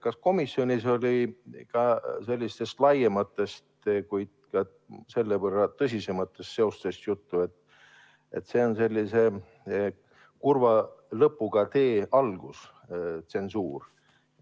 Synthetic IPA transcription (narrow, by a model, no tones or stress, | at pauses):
kɑsko̞misːjo̞nʲiso̞lʲikɑse̞lʲːist̪e̞st̪lɑjemɑt̪ːˑe̞st̪kujd̪̥̚kɑ | se̞lːebərːɑt̪ɤs̬ʲise̞mɑt̪ːˑe̞st̪se̞o̞st̪e̞st̪jut̪ːue̞t̪ː | e̞̰t̪ːse̞ːo̞nse̞lʲːise̞ | kurvɑlɤpːˑuɡ̥ɑt̪e̞ːɑlɡ̥us | t̪se̞nsuːr